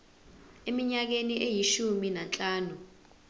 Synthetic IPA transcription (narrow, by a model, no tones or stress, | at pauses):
emiɲak̬eniʔejiʃuminant͡ɬʼaːnu